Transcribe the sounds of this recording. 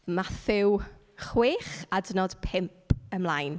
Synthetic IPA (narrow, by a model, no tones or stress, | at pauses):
maθɪw | χwɪːχadənɔd̥pʰɪmpʰəmlajn